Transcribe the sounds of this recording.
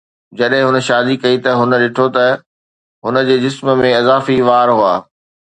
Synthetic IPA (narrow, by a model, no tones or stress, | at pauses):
d͡ʑɐɗɦɪ̃ɦʊnə̆ʃaːd̪ikɐit̪ɐɦʊnə̆ɗɪʈʰot̪ɐ | ɦʊnə̆d͡ʑeːd͡ʑɪsməmẽɐzaːfiʋaːɾɦua̰ː